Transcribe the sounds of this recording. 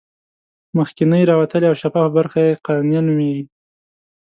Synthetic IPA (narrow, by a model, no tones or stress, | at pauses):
məxkɪnəjɾɑwat̪əleawʃafɑfbaɾxajeqanjɑnumeɡi